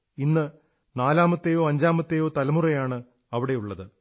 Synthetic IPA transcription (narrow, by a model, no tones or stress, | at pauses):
inːɨ | naːlaːmɐt̪ːejo̞ːɐɲd͡ʑaːmɐt̪ːejo̞ːt̪ɐlɐmurɐjaːɳɨ | ɐʋiɽe̞juɭːɐðɨ